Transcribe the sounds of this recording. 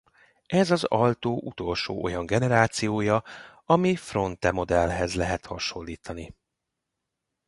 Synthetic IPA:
ɛzɒzɒlt̪oːʔut̪o̞lʃo̰ːʔo̞jɒŋɡɛnɛɾaːt̪sijoːjɒɒmifro̞nt̪ɛmo̞d̪ɛlɦɛzlɛɦɛt̪hɒʃo̞lːiːt̪ɒni

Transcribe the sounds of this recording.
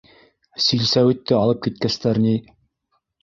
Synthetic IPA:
silsæwɘ̆t̪ːɘɑlˠɤp̚kit̪̚kæst̪æɾni

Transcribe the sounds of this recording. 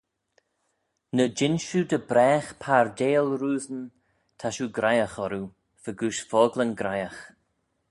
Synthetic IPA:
nəd͡ʒɪnʃud̪əbɾɛːxpʰaɹd̪eːlɾuːzən | t̪ʰaʃuɡɾajaxɔɾu | vəɡuʃfɔːɡlənɡɾajax

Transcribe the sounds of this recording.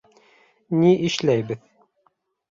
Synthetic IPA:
niʔɘ̆ʃlæjbɘð

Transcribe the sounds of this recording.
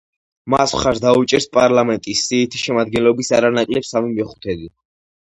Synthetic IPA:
maswχaɾd̪aut͡ʃʼɛɾspʼaɾlamɛnt̪ʼisːiːt̪ʰi̥ʃɛmad̪̚ɡɛnlɔbisaɾanakʼlɛpsamimɛχu̥t̪ʰɛd̪i

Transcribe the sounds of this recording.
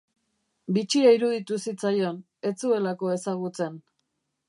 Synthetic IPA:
bit͡ʃiaiɾuðit̪usit͡sajo̞n | e̞t͡sue̞lako̞e̞saɣ̞ut͡se̞n

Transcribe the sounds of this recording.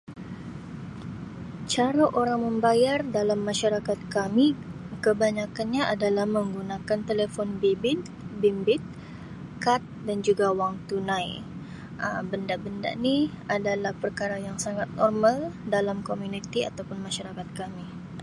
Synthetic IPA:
t͡ʃaɾaʔoɾaŋməmbajardalamːaʃaɾakat̪̚kami | kəbaɲakanɲaʔadalahməŋɡunakant̪elefɔnbibɪt̪ | bimbɪt̪̚ | kat̪̚dand͡ʒuɡawaŋt̪unãj | ʔəbəndaʔbənda̰ʔni | adalahpərkaɾajaŋsaŋat̪̚nɔrmaldalamkomjunit̪ia̰t̪awpʊnmaʃaɾakat̪̚kami

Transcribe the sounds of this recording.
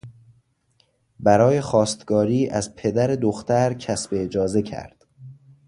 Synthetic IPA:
bæɾɒːje̞xɒːst̪ɡ̥ɒːɾiːʔæzpʰe̞d̪æɾe̞d̪oxt̪æɾcʰæsbeːd͡ʒɒːze̞cʰæ̰ɾd̪̥

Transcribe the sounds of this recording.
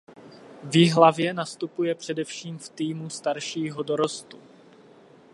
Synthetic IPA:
vɪɦlavjɛnast̪upujɛpr̝̥ɛdɛfʃiːmft̪iːmust̪aɾʃiːɦodoɾo̞st̪u

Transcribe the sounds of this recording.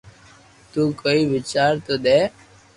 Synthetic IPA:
t̪uːkoːiːʋɪt͡ʃaːɾt̪oːd̪eː

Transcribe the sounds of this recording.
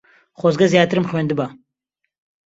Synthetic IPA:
χʷozɡɐzjaːt̪ʰɨɾɨmχʷønd̪ɨba

